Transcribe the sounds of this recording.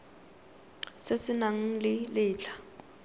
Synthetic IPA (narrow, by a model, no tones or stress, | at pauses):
sɪsɪnaŋ̩lɪlɪːt͡ɬʰḁ